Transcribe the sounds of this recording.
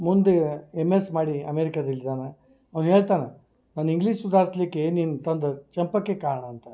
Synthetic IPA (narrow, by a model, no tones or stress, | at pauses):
mund̪eemːesmaːɽiɐmeːɾikad̪ɐlːid̪aːna | ɐʋnɦe̞ːɭt̪aːna | naːniŋɡliːʂsud̪ʱaːɾslikːeenint̪ɐnd̪ɐt͡ʃɐmpɐkːekaːɭɐɳɐːnt̪ɐ